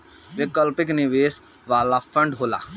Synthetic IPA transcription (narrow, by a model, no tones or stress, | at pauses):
ʋekəlpɪknɪʋeːs | ʋaːlafʰə̃ɳɖɦoːla̰ː